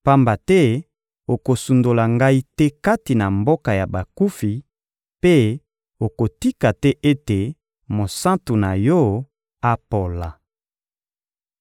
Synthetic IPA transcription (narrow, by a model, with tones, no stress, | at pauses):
pa˦mba˨tɛ˦ | o˨ko˨su˨ndo˨la˨ŋɡa˦i˦tɛ˦ka˦ti˨na˨mbo˦ka˨ja˨ba˨ku˦fi˨ | pe˦ | o˨ko˨ti˦ka˨tɛ˦ʔe˦te˨ | mo˨sã˦ntu˨na˨jɔ˦ | a˦po˨la˨